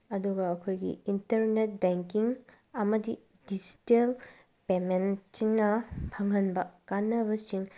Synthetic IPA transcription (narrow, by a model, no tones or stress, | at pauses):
ɐduɡɐːkʰojɡḭintɐɾnet̚beŋkiŋ | ɐmɐdi | did͡ʒi̥tel | pementiŋnɐpʰɐŋɐnbɐkanːɐβɐsiŋ